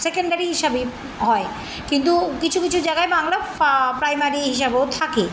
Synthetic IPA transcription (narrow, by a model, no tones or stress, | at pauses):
sekeɳɖaɾiɦiʃabe | ɦɔe | kint̪ukit͡ɕʰukit͡ɕʰud͡ʑaɡaebaŋlapɾajmaɾiɦiʃabeot̪ʰake